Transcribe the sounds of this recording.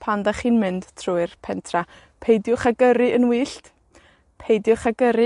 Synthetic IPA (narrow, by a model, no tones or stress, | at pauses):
pʰandaχiːnmɨnd̥tʰrʊɨrpʰɛntʰra | pʰejdjʊχaɡəɾɨʔənwiːɬt | pʰejdjʊχaɡəɾɨ